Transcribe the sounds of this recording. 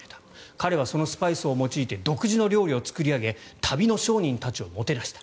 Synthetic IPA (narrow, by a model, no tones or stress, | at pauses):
et̪ḁ | kaɾe̞β̞aso̞no̞sɨ̥paisɨomo̞t͡ɕiːt̪e̞d̪o̞kɯ̟ʑino̞ɾʲo̞ːɾʲio̞t͡sɨ̥kɯ̟ɾʲiaɡe̞t̪ʰabʲino̞ɕo̞ːɲ̟ĩnt̪at͡ɕio̞mo̞t̪e̞ɾaɕi̥t̪ḁ